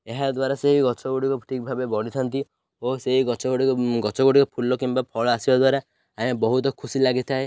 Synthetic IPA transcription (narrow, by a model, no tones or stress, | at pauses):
eɦad̪waɾaseɦiɡɔt͡ʃʰɔɡoɽikɔʈʰik̚bʱabebɔɽit̪ʰant̪i | oseɦiɡɔt͡ʃɔɡoɽikɔɡɔt͡ʃɔɡoɽikɔpʰulɔkimbapʰɔɭɔasibad̪waɾa | ãabɔɦut̪ɔkʰusilaɡit̪ʰae